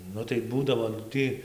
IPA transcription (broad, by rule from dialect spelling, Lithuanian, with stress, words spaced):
ˈnʊ tɐɪ ˈbuːdɐʋoː nʊ ˈtɨ